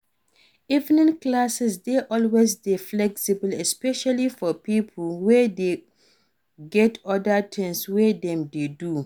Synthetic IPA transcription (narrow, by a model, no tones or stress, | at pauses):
ivnĩnklasɛsdeʔɔlwesdeflɛksibəlɛspɛʃalifɔpipʰlwɛde | ɡɛtɔdatʰɛ̃nswedɛ̃mdedu